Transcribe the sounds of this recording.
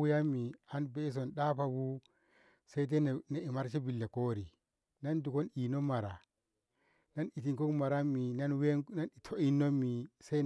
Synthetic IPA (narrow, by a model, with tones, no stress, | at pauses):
u˦ja˦mːi˨a˦nbe˦s̬o˨nɗa˦pa˨bu˦ | se˦i˦t̬e˦n˨ne˨i˨ma˦ɾt͡ʃi˦bi˨lːe˨ko˦ɾi˨ | na˦ndu˨ko˦ni˨no˦ma˨ɾa˨ | na˦ni˨ti˨ŋko˦kma˨ɾa˦mːi˨na˦nwe˦na˦ni˨tʰo˦i˦nːo˦mi˨se˦